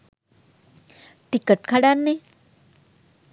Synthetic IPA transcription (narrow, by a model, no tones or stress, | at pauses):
ʈ̪ikəʈkʰaɽanːe